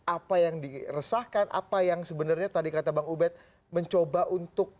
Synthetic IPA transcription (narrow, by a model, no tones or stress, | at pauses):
ʔapajaŋdirəsahkanʔa̰pajaŋsəbənarɲat̪adikat̪abaŋubɛt̪̚ | məɲt͡ʃobaʔunt̪ʊk̚